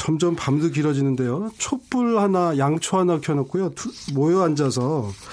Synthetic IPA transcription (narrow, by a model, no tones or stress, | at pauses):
t͡ɕʌmd͡ʑʌmpamduɡiɾʌd͡ʑinɯnde̞jot͡ɕʰop͈uɭhanajaŋt͡ɕʰoɦanakʰjʌnʌk͈ujotumojʌand͡ʑas̬ʰʌ